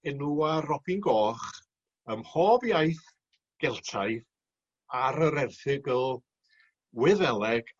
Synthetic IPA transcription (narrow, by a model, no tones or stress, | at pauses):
ɛnuarɔb̥inɡɔːχ | əmhɔːbjajθ | ɡ̥ɛlˠtʰajð | aɾəɾɛrθɪɡəlˠ | wɪðɛlˠɛɡ̥